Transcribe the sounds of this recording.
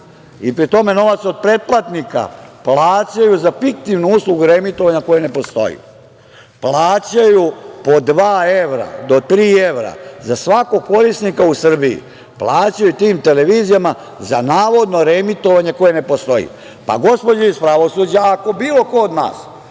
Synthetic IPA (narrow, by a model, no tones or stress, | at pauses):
ipɾit̪o̞me̞no̞ʋat̪so̞d̪̚pɾe̞t̪̚plˠat̪nika̰plaːt͡ɕajuzafik̚t̪iʋnuuːslˠuɡuɾemit̪oaɲako̞jene̞po̞st̪o̞̰jḭ | plˠaːt͡ɕajupo̞d̪ʋaːeʋɾa̰d̪o̞t̪ɾiːe̞ʋɾa̰zasʋako̞ɡko̞ɾisnikausr̩biḭ | plˠaːt͡ɕajut̪iːmt̪e̞leʋiːzijama | zanaːʋo̞d̪no̞ɾemit̪o̞ʋaɲe̞ko̞jene̞po̞st̪o̞jḭ | pa̰ɡo̞spod͡ʑaispɾaʋo̞suːd͡ʑaːko̞biːlo̞kood̪na̰ːs